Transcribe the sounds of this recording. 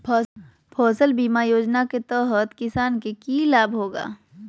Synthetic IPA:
pʰɔ | pʰɔːsəlbiːmajoːd͡ʒnaket̪əɦət̪kɪsaːnkekilaːbʱɦoːɡa̰ː

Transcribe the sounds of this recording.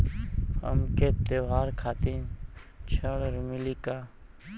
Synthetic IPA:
ə̰mkeːt̪eʋaːɾkʰaːt̪iːn | t͡ʃʰəːɽɾmiliːkaː

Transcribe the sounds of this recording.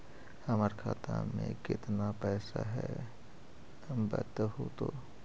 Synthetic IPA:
həməɾkʰaːt̪ʰamẽkɪt̪napɛːsaɦɛ | mbə̰t̪ɦot̪o

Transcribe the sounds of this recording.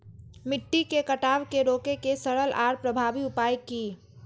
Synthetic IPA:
mɪʈːikekəʈaːʋkeɾoːkekesəɽəlʔa̰ːɾpɾəbʱaːbiupajki

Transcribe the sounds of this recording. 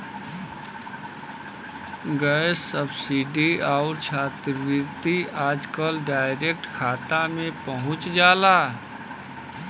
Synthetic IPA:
ɡəsəbsiɖiaʊɾt͡ʃʰaːt̪ɾəʋɪt̪iaːd͡ʒkəlɖaːɪɾek̚ʈkʰaːt̪amẽpəɦʊ̃t͡ʃd͡ʒaːla

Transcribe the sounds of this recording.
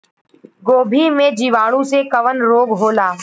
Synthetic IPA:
ɡoːbʱimẽd͡ʒiːʋaːɽ̃ũsekɐʋənɾoːɡɦoːlaː

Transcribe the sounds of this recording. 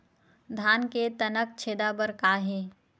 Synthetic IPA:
d̪ʱaːnket̪ɐnək̚t͡ʃʰeːd̪aːbəɾkaːɦeː

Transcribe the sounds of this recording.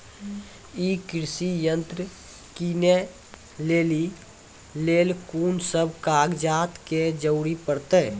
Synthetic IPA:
ikɾsijə̃nt̪ɾ | kine | leːli | leːlkuːnsəbʱkaːɡd͡ʒaːt̪ked͡ʒəʊɾipəɾt̪eː

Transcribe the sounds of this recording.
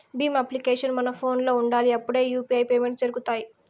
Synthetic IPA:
biːmɐplikeːʂɐnmɐnɐpʰo̞ːnlo̞ːuɳɖaːliɐpːuɽe̞ːjuːpiɐjpeːme̞ɳʈsd͡ʒɐɾuɡut̪aːji

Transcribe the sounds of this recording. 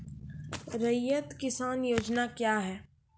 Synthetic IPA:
ɾɐjət̪kɪsaːnjoːd͡ʒnakjaːɦɛː

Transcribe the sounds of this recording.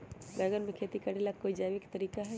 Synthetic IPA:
bɛːɡənmẽkʰeːt̪ikɐɽelakoːid͡ʒaːʋɪkt̪ɐɾiːkaɦɛː

